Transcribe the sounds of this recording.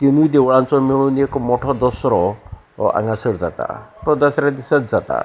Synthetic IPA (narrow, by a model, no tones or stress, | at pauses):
t̪inujd̪eʋɭãnt͡sɔmiɭ̃uniekɔmɔʈʰɔd̪ɔsɾɔ | ã̰ŋɡasəɽd͡zat̪a̰t̪ɔd̪əsɾjad̪isat̪d͡zat̪a̰